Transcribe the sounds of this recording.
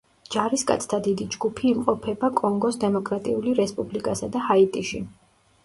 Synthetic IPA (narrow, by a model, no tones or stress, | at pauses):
d͡ʒaɾiskʼa̰t̪sʰt̪ʰad̪id̪id͡ʒɡupʰiːmqʼɔpʰɛbakʼɔŋɡɔsd̪ɛmɔkʼɾat̪ʼiuliɾɛspʼublikʼasad̪ahait̪ʼiʃḭ